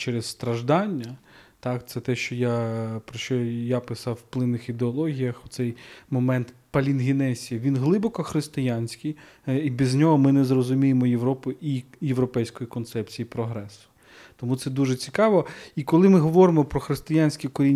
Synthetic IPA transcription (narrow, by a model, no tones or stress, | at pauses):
t͡ʃɛɾesst̪ɾɐʒd̪ɑnʲːɐt̪ɑkt̪sɛt̪ɛʃt͡ʃɔjapɾɔʃt͡ʃɔjapɪsɑwːplˠɪnːɪxid̪eɔlˠɔɦʲijɐxʊt̪sɛjmɔmɛnt̪pɐlʲinɦʲɪnɛsʲijɐʋʲinɦlˠɪbɔkɔxɾɪst̪ɪjanʲsʲkʲij | ibʲizʲnʲɔɦɔmɪnɛzrɔzʊmʲijemɔjeʋɾɔpʊijeʋɾɔpɛjsʲkɔjikɔnt̪sɛpt͡sʲijipɾɔɦɾɛsʊ̥ | t̪ɔmut̪sɛd̪uʒet͡sʲikɑʋɔikɔlˠɪmɪɦɔʋɔɾɪmɔpɾɔxɾɪst̪ɪjanʲsʲkʲikɔɾʲinʲ